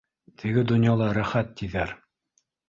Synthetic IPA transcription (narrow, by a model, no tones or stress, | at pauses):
t̪ʰɘ̆ɡɘd̪ŏnjɑlˠɑɾæχæt̪ːiðæɾ